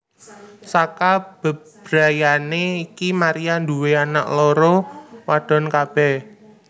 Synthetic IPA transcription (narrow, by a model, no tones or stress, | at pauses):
sakab̥ə̤ | b̥ɾa̤janeikimaɾijand̪uweana̰ʔloɾowaɖ̥ɔ̤nkab̥ɛh